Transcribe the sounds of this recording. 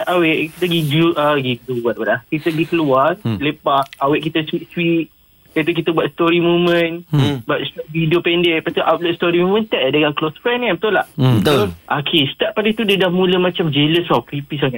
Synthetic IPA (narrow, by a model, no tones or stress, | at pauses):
ʔawɛʔkit̪əɡiduʔaɡidubwat̪̚bwaʔ̚lahkit̪əɡikəluanlepaʔ̚awɛʔkit̪əswit̪̚swit̪̚ | kat̪̬uk̬it̪əbwat̪st̪ɔɾimumə̃nbuat̪̚svidiopɛndɛʔpat̪uʔawt̪̚lɛt̪̚st̪ɔɾimumə̃nt̪ɛʔdəŋanklosfɾɛnkapət̪ula̰ht̪oʔakʰest̪ɛp̚pːalit̪udədahmũləmat͡ʃamd͡ʒeləsɔkɾipis̬aŋat̪̚